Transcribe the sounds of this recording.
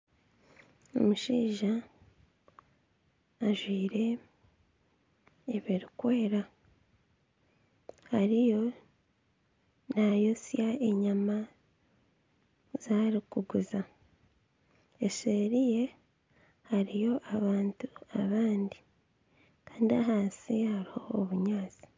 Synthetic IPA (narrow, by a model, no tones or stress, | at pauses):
o̰muʃiːʒa | ʒwiːɾe̞ | eβiɾikwe̞ːɾa | haɾijo̞ | najosjaeɲama | zaːɾikuɡuza | eseɾije̞ | haɾijo̞ʔaβaːntuaβaːndi | kaːndiaɦaːsihaɾiho̞ːβuɲaːzi̥